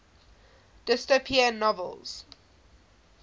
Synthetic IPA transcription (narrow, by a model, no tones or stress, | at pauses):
d̥ɪstəpʰiənːɔvə̰lˠz̥